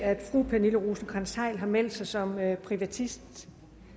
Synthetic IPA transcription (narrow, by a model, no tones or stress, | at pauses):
æd̥fʁṵːpʰæniləʁuːsn̩kʰʁɑnsɑ̈ɪlɦɑ̈mel̰d̥sɑ̈ɪsɒ̽møpʰʁiʋæt͡sʰisd̥